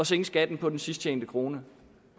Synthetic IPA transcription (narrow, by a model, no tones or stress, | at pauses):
ɒ̽seŋsɡ̥æd̥n̩pʰɒ̽d̥ensisd̥ʰḛːnd̥əkʰʁo̝ːnə